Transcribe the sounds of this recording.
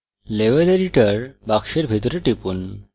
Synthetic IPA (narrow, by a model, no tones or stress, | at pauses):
leʋeleɾiʈəɾbakɕeɾbʱit̪ɾeʈipun